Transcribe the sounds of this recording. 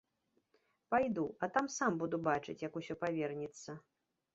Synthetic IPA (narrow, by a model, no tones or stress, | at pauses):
pajd̪uɐt̪amsambud̪ubat͡ʂɨ̰t͡sʲjɐkusʲɔpavʲɛrnʲit̪sːɐ